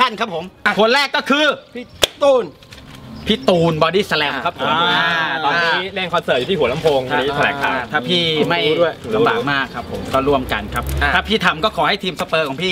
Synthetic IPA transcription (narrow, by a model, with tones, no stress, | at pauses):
a˥˩nkʰa˦˥pʰːo˩˦mkʰo˧ənɾɛː˥˩kːɔː˥˩kʰɯː˧˥˩t̪uː˧n | pʰiː˥˩t̪uː˧nbɔː˧diː˥˩sa˧lɛː˧mkʰa˦˥pʰːo˨˩˦ma˧˩ɔː˧niː˦˥leː˥˩ŋkʰɔ˧nsəɤː˨˩t̪̚ːt̪ʰiː˥˩u˩˦na˧˥mpʰoː˧ŋa˧˩iː˦˥t̪ʰlɛː˨˦kʰaː˨˩˦t̪ʰaː˥˩pʰiː˥˩ma˥˩ju˥˩əju˨˩˦la˧mbaː˨˩k̚maː˥˩kʰːa˦˥pʰːo˨˩˦mkɔː˥˩ɾu˥˩əmka̰˧nkʰa˦˥p̪̚ʰaː˥˩pʰiː˥˩t̪ʰa˧mkɔː˥˩kʰɔː˩˦ha˥˩jt̪ʰiː˧msa˧pɤː˧kʰɔː˩˦ŋpʰiː˥˩